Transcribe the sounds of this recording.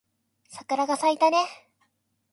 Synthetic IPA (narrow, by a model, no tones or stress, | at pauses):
sakɯ̟ɾaɡasait̪ane̞